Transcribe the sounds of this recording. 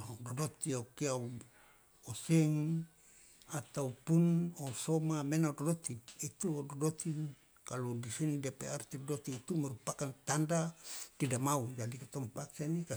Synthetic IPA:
dɔdot̪iokiau | osɛŋ | at̪aupunosomamenaudodot̪iːt̪udodot̪i | kaludisinidapeart̪idodot̪iːt̪umaɾupakant̪andak̪idamaud͡ʒadikat̪ɔmpaksanika

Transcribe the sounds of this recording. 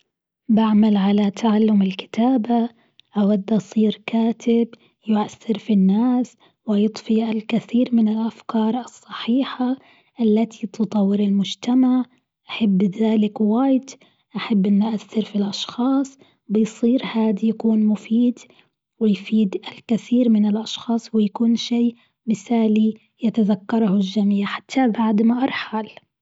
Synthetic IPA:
baʕmalʕalat̪ʰaʕalːʊmɪlkɪ̥t̪aːba | ʔawad̪ːʔɑsˤiːɾkaːt̪ʰɪb | jʊʔaθːɪɾfinːaːs | wɪjɨt̪ˤfiʔalkɪθiːɾmɪnɪlʔafkɑːɾˤʔɑsˤːɑħiːħa | ʔalːat̪ʰit̪ɨt̪ˤɑwːɪɾɪlmʊd͡ʒt̪amaʕ | ʔaħabːðaːlɪkwaːjd̪ | ʔaħabːʔɪnːʊʔaθːɪɾfilʔɑʃxɑːsˤ | bɪjsˤiːɾhaːd̪ijakuːnmʊfiːd̪ | wɪjfiːd̪ʔalkɪθiːɾmɪnɪlʔɑʃxɑːsˤwɪjakuːnʃiː | mɪθaːli | jat̪aðakːɑɾˤhld͡ʒamiːʕħḁt̪ʰːabaʕd̪maʔɑɾˤħal

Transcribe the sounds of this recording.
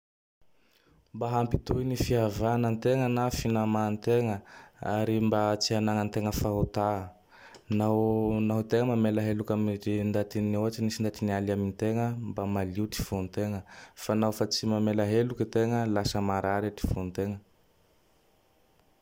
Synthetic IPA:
mbaɦampit̪ujnifiavanənt̪eŋənafinamant̪eŋəaɾimbat͡sianaŋənt̪eŋəfaɦot̪a | nanaɦut̪eŋəmamelaɦelukamɾind̪at̪inoat͡ʃinisind̪at̪inialamint̪eŋəmbamaliuʈ͡ʂi̥font̪eŋəfanawfat͡simamelaɦelukit̪eŋəlasəmaɾaɾeʈ͡ʂi̥font̪eŋə

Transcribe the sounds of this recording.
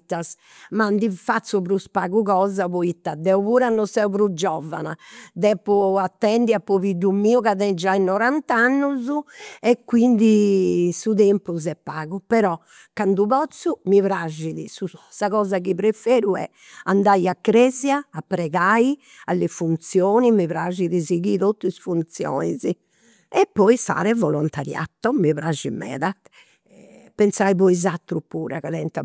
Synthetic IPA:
t̪ːas | mand̪ifat̪sːupɾuspaɣuɣɔːzapɔit̪ːad̪ɛuβuːɾanːɔsɛupɾud͡ʒɔva̰na̰d̪ɛpːuat̪ːɛnd̪iapːɔβidumiːukaðɛnd͡ʒainɔɾant̪anːuzuɛkːwind̪isuðɛmpuzɛpːaːɣupɛɾɔ | kːand̪upɔt̪sumivɾaʒiðisusaɣɔːzakipɾefeːɾuɛ̰ | and̪ajakːɾɛzjaːpːɾɛɣai | alːefunt̪sjoːnimiβɾaʒiðiziɣit̪ot̪ːuisfunt̪sjɔ̰ːnizi | ɛpːɔisa̰ːɾɛvɔlɔnt̪aɾja̰t̪ːɔmiβɾad͡ʒimɛ̰ːðat̪ | pɛnsaipɔizat̪ːɾupuːɾakaɛnt̪a

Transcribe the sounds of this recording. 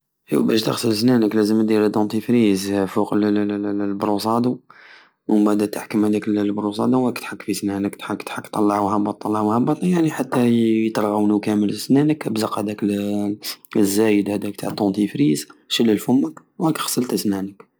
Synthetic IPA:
ʔiwbæʃt̪əɣsˤəlsnænəklæzəmd̪iɾd̪unt̪ifɾizfuqllbɾusˤɑd̪u | bæd̪æt̪əħkəmhæd̪ækllbɾus̬ˤɑd̪uwækt̪ħakːfisnænəkt̪ħakːt̪ħakːt̪ˤːɑlːɑʕwhæbːɑt̪ˤːɑlːɑʕwhæbːɑt̪ˤjaʕniħat̪ːæjt̪ɾˤɣɑwnukæmələsnænəkəbzəqhæd̪æk | zːæjəd̪hæd̪ækt̪ʰaʕd̪unt̪ifɾizʃəlːəlfʊmːək | wækə̥xsəlt̪əsnænək

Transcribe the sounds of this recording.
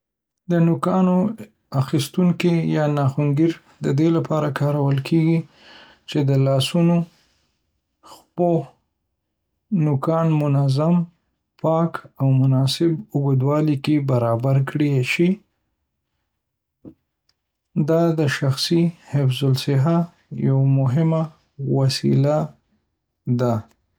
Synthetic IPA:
d̪ənʊkɑno | axist̪uŋkijɑnɑxuŋɡiɾ | d̪əd̪elapʰɑɾakɑɾawəlkʰeɡi | t͡ʃed̪əlɑsuno | xpoh | nʊkɑnmʊnazam | pɑkawmʊnɑsɪbʊbəd̪wɑlikebaɾɑbaɾkɽiʃi | d̪ɑd̪əʃaxsihɪfzʊlsɪɦa | jawamʊɦɪma | wasḭla | d̪a

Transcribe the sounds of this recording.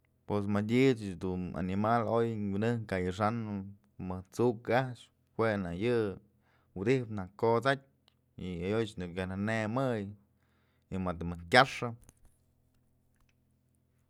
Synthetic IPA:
pes̬madʲit͡ʃd̪una̰nimalojwinɨhkajɨʂ̬an | mɨht͡suʔkaʃ | hwʷenajɨ | wd̪ihpnakot͡sat̚ʲ | iajot͡ʃnɨkjananemɨj | imat̪mɨkʲaʂɨ

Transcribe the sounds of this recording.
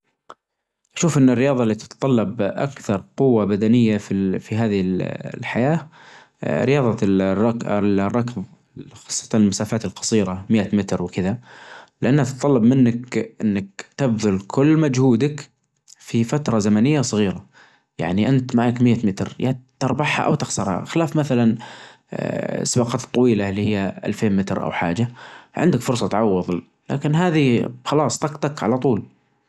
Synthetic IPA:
ʔaʃuːfʔɪnːɪrːɪjɑːðˤɑlːiːt̪ɪ̥t̪t̪ˤɑlːɑbʔa̰kθɑɾˤqʊwːabad̪anɪjːafifiɦaːðllħajaː | ɾɪjɑːðˤɑɑklrˤːɑkð | xɑ̥sˤːɑ̥t̪ɑnɪlmasaːfaːt̪ɪlqɑ̥sˤiːɾamɪjːat̪mɪt̪ɾwkɪðalɪʔanːat̪t̪ˤːɑlːɑbmɪnːakʔɪnːakt̪abðʊlkʰʊlːmad͡ʒhuːd̪ak | fifat̪ɾˤɑzamanɪjːasˤɨɣiːɾa | ja̰ʕniʔɪnt̪maʕakmɪjːat̪mɪt̪ɾjat̪ːɑɾˤbɑħha̰ʔa̰wt̪ɪxsɑɾˤha̰xɪlaːfmaθalan | sbɑqɑːt̪t̪ˤːɑwiːlalːiːhɪjːaʔa̰lfeːnmɪt̪ɾʔa̰wħa̰ːd͡ʒaʕɪ̰nd̪akfʊɾsˤɑt̪ʕɑwːɨðˤ | la̰ːkɪnɦaːðixɑlɑːsˤt̪ɑqt̪ˤɑkʕa̰lat̪ˤuːl

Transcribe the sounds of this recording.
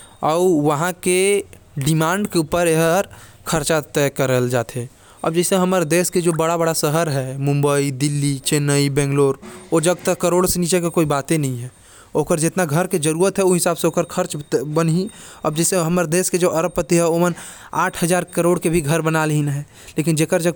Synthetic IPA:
ɔːʋəɦãkeɖɪmãːɳɖkeupəɾeɦəɾ | kʰəɾt͡ʃat̪ɛkəɾəld͡ʒaːt̪ʰe | ə̰bd͡ʒɛːseɦəməɾd̪eːsked͡ʒobəɽabəɽasəɦəɾɦɛmʊ̃mbəid̪ɪlːit͡ʃeːnəibɛ̃ːŋɡloːɾoːd͡ʒəɡ̚t̪əkəɾoːɽseniːt͡ʃekekoːibaːt̪ẽnəɦĩɦɛ̃ː | oːkəɾd͡ʒɪt̪naɡʱəɾked͡ʒəɾuːɾət̪ɦɛuɦɪsaːbseoːkəɾkʰəɾt͡ʃbənɦiə̰b̚d͡ʒɛːseɦəməɾd̪eːsked͡ʒoʔəɾəb̚pːət̪iɦɛoːmən | aːʈʰɦəd͡ʒaːɾkəɾoːɽkebʱiɡʱəɾbənalɦinɦɛ | leːkɪnd͡ʒeːkəɾd͡ʒəɡ̚

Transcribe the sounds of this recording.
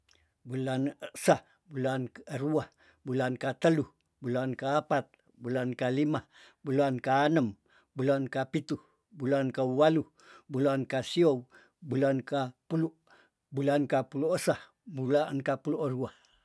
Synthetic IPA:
bulanəsah | bulanəɾuah | bulankat̪əluh | bulankaːpat̪̚ | bulankalimah | bulankaːnəm | bulankapit̪uh | bulankawalu | bulankasiow | bulankapuluʔ | bulankapuluʔəsah | bulankapuluʔəɾuah

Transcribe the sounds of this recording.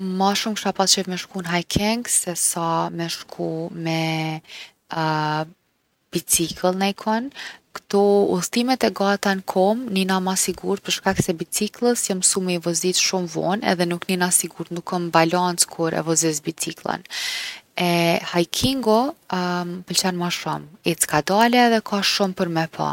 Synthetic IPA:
maʃumkʃapat͡ʃɛvmɛʃkunɦajkʰɛŋɡsɛsamɛʃkʰumɛ | b̥it͡sikʰəlˠnajkʰɔnkt̪ɔṵt̪imɛt̪ɛɡat̪ankʰɔmninamasiɡuɾt̪̚pəɾʃkaksɛbit͡siklˠəsjamsumivɔzit̪ʃumvɔ̰nɛ̰ðɛnukninasiɡuɾt̪nukːɔmbalant͡skʰuɾɛ̰vɔzis̬bit͡siklˠə̰n | ɛhajkʰiŋɡɔ | pəlt͡ɕanmaʃɔmit͡skad̪alɛːðɛkʰaʃumpəɾmɛpʰa̰

